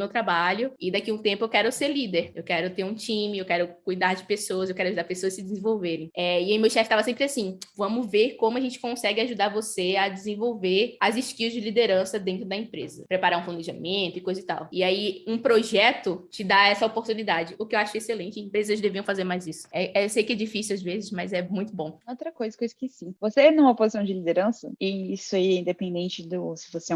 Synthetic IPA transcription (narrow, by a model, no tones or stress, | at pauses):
mewt̪ɾabaʎʊɪd̪akiũt̪ẽmpʊewkɛɾʊseɾlid̪eɾewkɛɾʊt̪eɾũt͡ʃĩmɪewkɛɾʊkujd̪aɾd͡ʒɪpesowɐzewkɛɾʊaʒud̪aɾpesoɐsɪd͡ʒɪzẽvowveɾẽj̃ɛiaimewʃɛfɪ̥st̪avɐsẽmpɾɪasĩvɐ̃mʊveɾkõmʊɐʒẽnt͡ʃɪ̥kõsɛɡɪaʒud̪aɾvosead͡ʒɪzẽvowveɾazɪʃkiuzd͡ʒɪlid̪eɾɐ̃sɐd̪ẽnt̪ɾʊd̪ɐẽmpɾezɐ̰pɾepaɾaɾũfũneʒamẽt̪ʊɪkojzʊɪt̪a̰wɪaiũpɾoʒɛt̪ʊt͡ʃɪd̪aɛsɐopoɾt̪ũnid̪ad͡ʒɪʊkɪewaʃʊeselẽt͡ʃɪẽmpɾezɐzd̪eviɐ̃w̃fazeɾmajzisʊ̥ɛewsejʊkɪɛd͡ʒifisiwazvezɪzmɐzɛmũj̃t̪ʊbõowt̪ɾɐkojzɐkojzɐkɪsĩvosenũmɐopozisɐ̃w̃d͡ʒɪlid̪eɾɐ̃sɐ̰ɪisʊɛiɛĩnd̪epẽnd̪ẽnt͡ʃɪd̪ʊsɪ̥fosɪ